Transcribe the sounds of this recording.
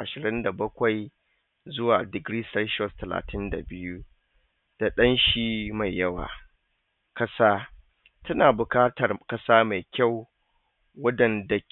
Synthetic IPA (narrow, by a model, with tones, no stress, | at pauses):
ʔa˨ʃɪ˨ɾɪ˦nda˨bɐ˦kʷa˨j | zʊ˦waː˨dɪ˨ɡɾiː˦sɐ˦ʃɔ˦stɐ˨la̰ː˨tʰɪ˦nda̰˨bɪ˦ju˦ | d̥a˨ɗɐ˦nʃiː˦ma˨jːɐ˦wa̰ː˨ | kɐ˦saː˦ | tʰɐ˦naː˨bʊ˨kaː˦tɐ˨rkɐ˦saː˦ma˨jkʲa˦˨w | wɐ˦dɐ˨nda˨